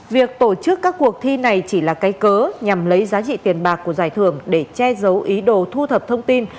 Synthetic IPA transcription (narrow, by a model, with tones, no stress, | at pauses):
vi˨˩ək̚t̪o˧˩t͡ɕɨ˦˥kːaː˦˥kːu˨˩ək̚t̪ʰi˧na˨˩jt͡ɕi˧˩laː˨˩kaː˨˦jkəː˨˦ɲa˨˩mlə˨˦jzaː˨˦t͡ɕḭ˧˨t̪i˨˩ənɓaː˨˩kːu˧˩əzaː˧˩jt̪ʰɨ˧˩əŋɗe˧˩t͡ɕɛ˧zə˨˦wʔi˨˦ɗo˨˩t̪ʰu˧t̪ʰə˨˩p̚t̪ʰə˧wŋ͡mt̪i˧n